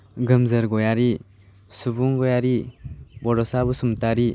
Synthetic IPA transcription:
ɡɯmzɯɾɡɔjaɾi | subuŋɡɔjaɾibɔɾɔsabusumtaɾi

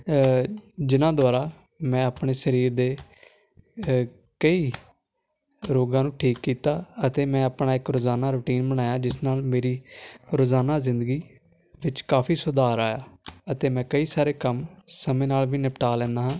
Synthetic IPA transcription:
d͡ʒɪnãːd̪ʊaːɾaː | mɛ̃ːaːpɳeːsəɾiːɾd̪eː | kəiː | ɾoːɡãːnũːʈʰiːkːiːt̪aːət̪eːmɛ̃ːaːpɳaːɪkɾoːzaːnaːɾʊːʈiːnbəɽ̃aːjãːd͡ʒɪsnaːlmeːɾiːɾoːzaːnaːzɪnd̪əɡiː | ʋɪt͡ʃkaːpʰiːsʊd̪aːɾaːjaːət̪eːmɛ̃ːkəiːsaːɾeːkəmsəmẽːnaːlʋiːnɪpʈaːlɛ̃ːnd̪aːɦãː

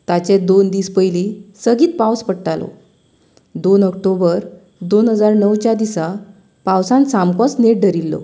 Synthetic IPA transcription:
t̪at͡ɕed̪ond̪iːspəjlisəɡiːt̪̚pawspəɽʈalo̰ | d̪onək̚ʈobəɾ | d̪onɦəd͡zaɾnəwt͡ɕjad̪isa | pawsãnsamkɔsneʈ̚ɖʱəɾilːɔ̰

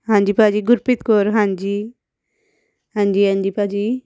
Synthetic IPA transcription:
ɦãɲd͡ʒipad͡ʒiɡuɾpit̪koɾɦand͡ʒi | ɦand͡ʒiand͡ʒipad͡ʒi

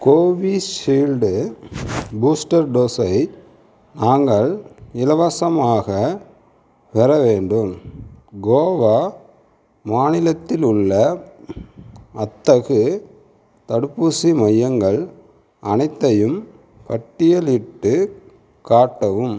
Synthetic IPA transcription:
koːʋiʃiːlɖɯ | buːsʈɐɾɖoːsɐɪ | naːŋɡɐɭɪlɐʋɐsɐmaːɣɐ | ʋɛɾɐʋeːɳɖɯmɡoːʋaː | maːnɪlɐt̪ːɪlɯɭːɐ | ɐt̪ːɐɣɯ | t̪ɐɽɯpːusimɐjːɐŋɡɐɭ | ɐnɐɪt̪ːɐjɯm | kɐʈːɪjɐlɪʈːɯ | kaːʈːɐʋɯm

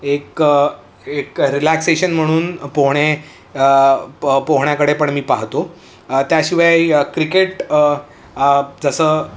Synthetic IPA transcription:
ek | ekɾilækseɕənm̤əɽ̃uːnpoɦɽ̃e | poɦɳjakəɽepəɳmiːpaɦt̪o | t̪jaɕiʋajkɾikeʈ | d͡zəsəː

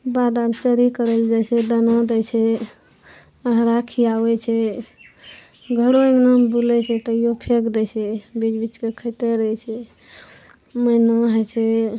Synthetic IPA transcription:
bad̪abt͡ʃəɾikəɾəld͡ʒat͡ʃʰɛd̪ənad̪ɛjt͡ʃʰɛ | əɦɾakʰiawɛt͡ʃʰɛ | ɡʱəɾoeŋnəmbulɛt͡ʃʰɛt̪əiopʰekd̪ɛt͡ʃʰɛbid͡ʒbit͡ʃkekʰəjt̪eɾəɦɛt͡ʃʰɛ | məjnoɦɛt͡ʃʰɛ

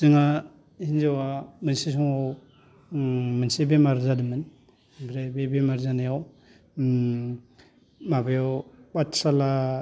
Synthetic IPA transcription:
siŋa | hinzawamənsis̬ɔŋaw | mɯnsibemaɾzadɯmɯn | bɾebebemaɾzanajaw | mabejawbatsala

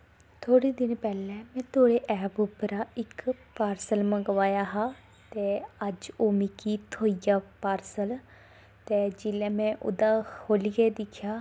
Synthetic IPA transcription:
t̪ʰoːɽiːd̪ɪnpɛːlɛːmɛ̃ːt̪ʰoːɽeːʔɛːpʊpəɾaːɪkpaːɾsəlmə̃ɡʋaːjaːɦaː | t̪eːəd͡ʒoːmɪkiːt̪ʰoːijaːpaːɾsəl | t̪eːd͡ʒɪlɛ̃ːmɛ̃ːʔʊ̰d̪aːkʰoːliɡeːd̪ɪkʰjaː

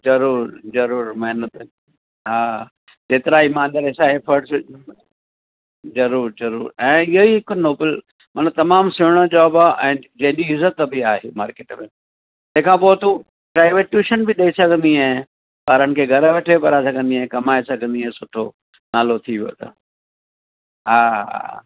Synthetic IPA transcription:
zɐɾuːɾzɐɾuːɾmɐɦnət̪ | ɦaː | d͡ʑeːt̪ɪɾaimãːnd̪əɾeːsaɦefʰɐɾʈs | zɐɾuːɾzɐɾuːɾɛ̃ːɪɦoiɦɪknoːbəl | mɐnət̪ɐmaːmsʊɦɽ̃od͡ʑaːbaʔɛ̃ːd͡ʑɐ̃ɦɪ̃ɲd͡ʑiɪzət̪ːbʱɪaːɦemaːɾkeːʈmẽ | t̪ɐ̃ɦɪ̃kʰãːpot̪u | pɾaːɪʋeːʈjuːʃənbɪɗɐisɐɡʱə̃nd̪iaːɦ | paːɾənɪ̆kʰeːɡʱɐɾʋeːʈʰepɐɾasɐɡʱə̃nd̪iaːɦẽkɐmaːesɐɡʱə̃nd̪iaɦẽsʊʈʰo | naːlot̪ʰiʋijo̰t̪ʰɐ̰ | ɦaːɦ

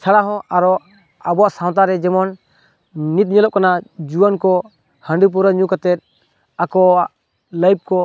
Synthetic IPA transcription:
t͡ʃʰaɽaɦɔ̃ʔaɾɔ | abɔaʔsaw̃t̪̬aɾɛd͡ʒɛmɔn | nit̪̚ɲɛlɔp̚kanad͡ʒuwankɔ | hə̃ɳɖip̬uɾaɲukat̪ɛt̪̚ˀ | akɔaʔ | ləjp̚kɔ

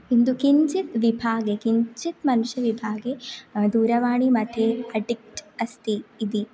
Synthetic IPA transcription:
ind̪ukiɲt͡ʃit̪ʋibʱaːɡekiɲt͡ʃit̪mɐnuʂjɐʋibʱaːɡed̪uːɾɐʋaːɳimɐt̪ʰːeɐɖik̚ʈɐst̪ʰiːd̪i

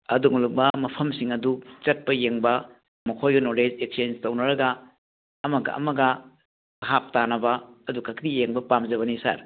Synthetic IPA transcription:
ɐduŋlubɐmɐpʰɐmsiŋɐdut͡ʃɐt̚pɐjeŋbɐ | mɐkʰojɡɐnoled͡ʒek̚sienstɐwnɐɾɐɡɐː | mɐɡɐ̰ɐ̰mɐɡɐ | ɦap̚tanɐbɐːdukʰɐkɾijeŋbɐpamzɐβɐnisa̰ɾ

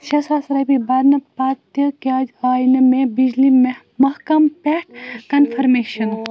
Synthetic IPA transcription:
ʃɐsaːsɾɐbibɐɾnɐpaːt̪jɐkaːd͡ʒaːjnɐmẽbid͡ʒlim | mɐhkɐmpɛʈkɐnfʰɐɾmeːʃɐn

